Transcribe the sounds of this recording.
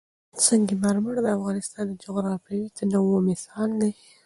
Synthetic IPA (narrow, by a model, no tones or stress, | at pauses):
t͡səŋɡimaɾmaɽd̪əafɣɑnɪst̪ɑnd̪əd͡ʒʊɣɾɑfɾawit̪ənawomɪsɑld̪aj